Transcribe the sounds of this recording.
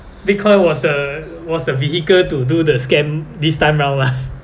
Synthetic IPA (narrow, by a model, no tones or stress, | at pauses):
bikʰɔ̃wɔsdə | wɔsdəvihikəltududəskɛ̃mdistãɪ̃mɹãwnla